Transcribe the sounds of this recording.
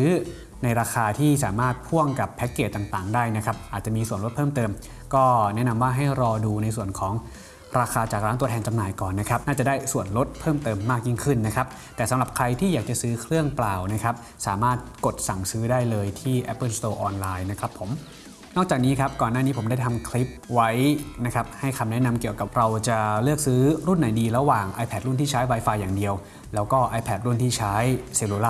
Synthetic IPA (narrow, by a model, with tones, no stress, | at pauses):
ɯː˩˦˥ | na˧jɾaː˧xaː˧t̪ʰiː˥˩saː˩˦maː˥˩t̪̚pʰu˥˩əŋka˨˩pʰːɛ˦˥kːeː˨˩t̪ːa˨˩ŋt̪aː˨˩ŋdaː˥˩jna˦˥kʰa˦˥p̚ʔaː˨˩t̪̚t͡ɕa˨˩miː˧su˨˩nlo˦˥t̪̚pʰɤː˥˩mt̪ɤː˧m | kɔː˥˩nɛ˦˥ʔna˧mwaː˥˩ɦa˥˩jɾɔː˧duː˧na˧jsu˨˩ənkʰɔː˩˦ŋ | ɾaː˧xʰaː˧t͡ɕaː˨˩kɾa˦˥t̪u˧ət̪ʰːnt͡ɕa˧mnaː˨˩jkɔː˨˩nːa˦˥kʰɾa˦˥p̚naː˥˩t͡ɕa˨˩daː˥˩jsu˨˩ənɾo˦˥t̪̚pʰɤː˥˩mt̪ɤː˧mːaː˥˩k̚ji˥˩ŋkʰɯ˥˩nːa˦˥kʰa˦˥p̚ | t̪ɛː˨˩sa˨˦mɾa˨˩p̚kʰɾa˧jt̪ʰiː˥˩jaː˨˩k̚t͡ɕa˨˩sɯː˦˥kʰɾɯ˥˩əŋplaː˨˩wna˦˥kʰɾa˦˥p̚ | saː˩˦maː˥˩t̪̚ko˨˩t̪̚sa˨˩ŋsɯː˦˥daː˥˩jlɤː˧jt̪ʰiː˥˩ʔɛ˦˥pːɤ˥˩st̪oː˧ʔɔː˧nlaː˧jna˦˥kʰɾa˦˥pʰːo˨˩˦m | nɔː˥˩k̚t͡ɕaː˨˩k̚niː˦˥kʰa˦˥p̚kɔː˨˩naː˥˩niː˦˥pʰo˩˦da˥˩jt̪ʰa˧mkʰli˦˥p̚wa˦˥jna˦˥kʰa˦˥p̚ha˥˩jkʰa˧mnɛ˦˥na˧mki˨˩əwka˨˩p̚ɾa˧wt͡ɕa˨˩lɯ˥˩ək̚sɯː˦˥ɾu˥˩nːa˨˩˦jdiː˧ɾa˧waː˨˩ŋʔa̰ː˧jpʰɛ˧˩t̪̚ɾu˥˩nt̪ʰiː˥˩t͡ɕʰaː˦˥jwa˦˥jfaː˧jːaː˨˩ŋdi˧əw | lɛː˦˥wkɔː˥˩ʔaː˧jpʰɛː˨˩t̪̚ɾu˥˩nt̪ʰiː˥˩t͡ɕʰaː˦˥jseː˧luː˧laː˥